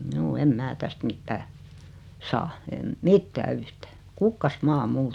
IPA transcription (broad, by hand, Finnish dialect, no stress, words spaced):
mjuː em mæː tæst mitːæː sɑː em mitːæː yhtæː kukːɑsmɑː mul